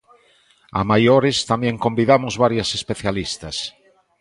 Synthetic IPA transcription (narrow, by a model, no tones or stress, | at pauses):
a̰majoɾest̪amjẽŋkombiðamozβaɾjasespeθjalist̪as